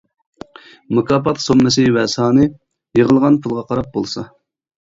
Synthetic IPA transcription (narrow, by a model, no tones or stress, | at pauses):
mukɑːpɑt̪somːɨsɪwɛsɑːnɨ | jəʁəlˠʁɑnpʰulˠʁɑqʰɑɾɑp̚bolˠsɑ